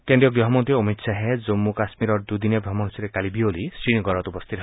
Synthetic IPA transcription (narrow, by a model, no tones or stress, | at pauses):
keɳɖijɔɡɾɔɦɔmɔnt̪iɔmit̪saɦed͡ʒomːukasmiɾɔɾd̪ud̪inebʱɾɔmɔnsiɾekalibiolisɾinɡɔɾɔt̪upɔst̪ʰit̪ɦ